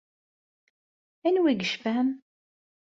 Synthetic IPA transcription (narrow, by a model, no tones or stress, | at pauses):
ænwiɡəʃfæm